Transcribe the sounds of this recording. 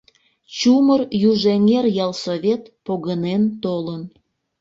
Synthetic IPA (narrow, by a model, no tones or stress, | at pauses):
t͡ɕumərjuʒeŋerjɑlsoβʲet̪poɣənent̪olən